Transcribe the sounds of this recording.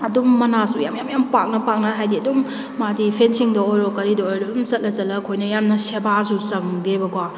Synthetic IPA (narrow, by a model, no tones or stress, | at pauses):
ɐdumːɐnasujamjamjampak̚nɐpak̚nɐɦajdiɐdumː | adipʰensiŋdɐojɾɔkɐɾidɐojɾɔmzɐt̚lɐzɐlɐkʰojnɐjamnɐsebasusɐŋdebɐɡwa